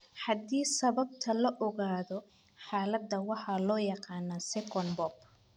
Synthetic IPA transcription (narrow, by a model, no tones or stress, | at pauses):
ħɑd̪iːsɐβɐb̚t̪ʰɐlɐʔɔɣaːðɔ | ħaːlɐd̪ːɐwɑħɑlɔːjɑqɑːnɐsɛkʰɔnbɔb